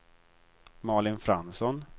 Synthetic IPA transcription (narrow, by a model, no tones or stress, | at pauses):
mɑːɭɪnfɾansɔn